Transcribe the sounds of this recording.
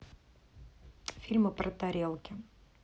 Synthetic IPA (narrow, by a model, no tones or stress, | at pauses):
fʲilʲmɨpɾʔət̪ɐɾʲelˠkʲɪ